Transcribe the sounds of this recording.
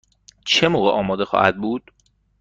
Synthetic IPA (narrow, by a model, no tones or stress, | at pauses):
t͡ʃʰemoːɣeʔɒːmɒːd̪e̞xɒ̰ːhæ̰d̪̚buːd̪̥